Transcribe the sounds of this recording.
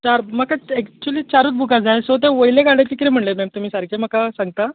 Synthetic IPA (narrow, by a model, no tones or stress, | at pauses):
t͡ɕaɾmakaɛkt͡ɕuliːt͡ɕaɾuːt̪̚bʱukad͡zajsət̪eʋojleɡaɽet̪ikɾem̤əɳlemɛmt̪um̤iːsaɾkʰem̤akasãŋɡ̚t̪a